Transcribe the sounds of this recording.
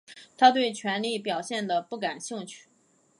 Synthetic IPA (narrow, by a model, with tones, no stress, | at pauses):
t̪ʰa˥t̪̬we˥˩ɪt͡ɕʰɥɛ˧˥nli˥˩pjɑ˨˩ʊɕjɛ˥˩nd̪ə˩pu˥˩ka˨˩nɕi˥˧ŋt͡ɕʰy̥˥˩